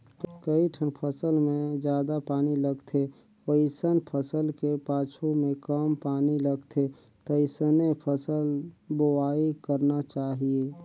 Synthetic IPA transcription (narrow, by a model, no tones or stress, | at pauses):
kəiʈʰənpʰəsəlmẽd͡ʒjaːd̪apaːniləɡt̪ʰe | ʋəɪsənpʰəsəlkepaːt͡ʃʰomẽkəmpaːniləɡt̪ʰe | t̪əisənepʰəsəlboaːikəɾnat͡ʃaːɦieː